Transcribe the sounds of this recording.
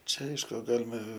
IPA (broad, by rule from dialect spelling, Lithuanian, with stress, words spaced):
ˈt͡ʃʲɛ ˈɐɪʃkʊ ˈɡɑːlʲɪmɐ